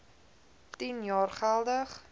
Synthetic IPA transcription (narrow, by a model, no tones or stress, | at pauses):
tinjɑːrχælˠdəχ